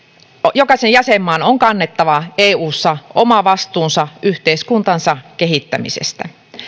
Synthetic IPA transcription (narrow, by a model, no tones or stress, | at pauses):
jokɑsejjɑsemːɑːnoŋkɑnːet̪ːɑʋɑeːuːsːɑomɑʋɑst̪uːnsɑʔyht̪eiskunt̪ɑnsɑkeɦit̪ːæ̰mḭsḛst̪æ̰